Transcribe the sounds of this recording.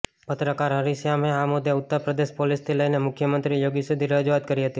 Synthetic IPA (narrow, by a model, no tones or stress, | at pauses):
pət̪ɾəkaɾɦəɾiʃjameamʊd̪ʱjeʊt̪ːəɾpɾəd̪eʃpolist̪ʰiləinemʊkʰjəmənt̪ɾijoɡisud̪ʱiɾəd͡ʒuat̪̚kəɾiɦət̪i